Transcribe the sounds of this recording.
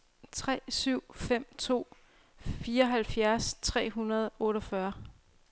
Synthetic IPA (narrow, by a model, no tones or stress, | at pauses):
t͡sʰʁɛ̰ːsyʊ̰fem̰t͡sʰo̝̰ː | fiːɐɒ̽ɦælfjæɐst͡sʰʁɛ̰ːɦunɐðˠɔ̽ːɾɒfɶɐ